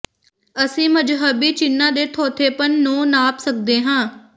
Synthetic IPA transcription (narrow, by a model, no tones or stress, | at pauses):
əsĩːməd͡ʒɦəbiːt͡ʃɪnːãːd̪eːt̪ʰoːt̪ʰeːpənːũːnaːpsək̚d̪eːɦãː